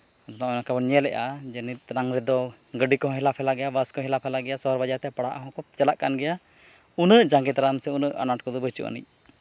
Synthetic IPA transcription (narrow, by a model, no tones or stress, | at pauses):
ɔd̪ɔnaɔnakabɔnɛlɛʔad͡ʒənit̪̚ˀnaŋɾɛd̪ɔ | ɡəɖikɔɦɔ̃ɦɛlapʰɛlaɡɛjabəskɔɦɛlapʰɛlaɡɛjasɔɦɔɾbad͡ʒaɾt̪ɛpaɽaʔaɦɔ̃kɔt͡ʃɛlaʔkanɡɛja | unəʔd͡ʒaŋɡɛt̪ɾamsɛunəʔa̰naʈkɔd̪ɔbət͡ʃṵʔa̰nḭc̚